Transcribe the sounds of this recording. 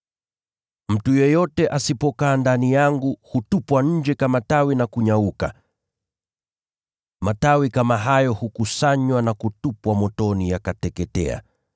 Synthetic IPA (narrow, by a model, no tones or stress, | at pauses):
m̩tujɛjɔtɛʔasipɔkaːndanijaŋɡuhutupwaɲ̩d͡ʒɛkamatawinakuɲauka̰ | matawikamaɦajɔhukusaɲwanakutupwamɔtɔnijakatɛkɛtɛ̰a̰